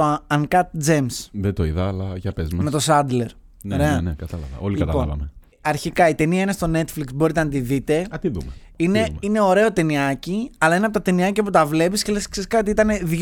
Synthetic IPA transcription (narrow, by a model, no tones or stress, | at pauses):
oɐŋkɐt̪̚d͡zemsðet̪o̞iðɐːlɐʝɐpezmɐmet̪osɐd̪le̞ɾ | neɾeɐnekɐt̪ɐlɐ̰vɐ̰o̞likɐt̪ɐɐ̰vɐ̰me | ɐɾçikɐit̪e̞niɐinest̪o̞ne̞t̪fliksbo̞ɾit̪enɐt̪iðit̪e̞ɐt̪iðṵme | ine̞mine̞o̞ɾe̞o̞t̪e̞niɐciɐlɐinɐp̬ot̪ɐt̪eniɐciɐput̪ɐvle̞piscele̞skseskɐot̪iit̪ɐne̞ð